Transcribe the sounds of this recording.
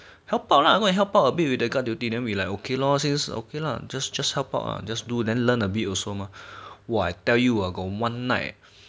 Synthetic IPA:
hɛlpawʔlaaɡõɦɛlpawəbit̚widəɡadjutidɛ̃nwilajkokelɔsĩnso̰kela̰d͡ʒasd͡ʒashɛlpa̰ʊʔa̰d͡ʒasdudɛ̃nlə̃nəbitɔsomawɔajtɛljuaɡɔwãnːaɪt

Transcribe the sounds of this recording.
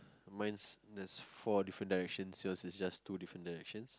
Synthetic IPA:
mãj̃nsdɛsfɔdifɹə̃ndaɹɛkʃə̃nsiɔ̃nsisd͡ʒastːudifɹə̃ndaɹɛkʃə̃ns

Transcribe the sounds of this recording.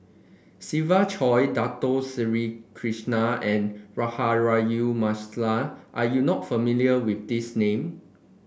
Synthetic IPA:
sivat͡ʃʰɔjdatosiɹikʰɹiʃnaɛ̃nɹahaɹajumaslaʔajunɔtfəmiliəwifdisnẽm

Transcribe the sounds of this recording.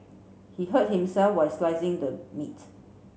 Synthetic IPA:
hiɦət̚hĩmsɛlfwajslaɪzɪ̃ŋdəmit

